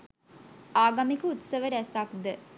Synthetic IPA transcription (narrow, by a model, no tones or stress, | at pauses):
aːɡamikəut̪səʋəɾæsakd̪ə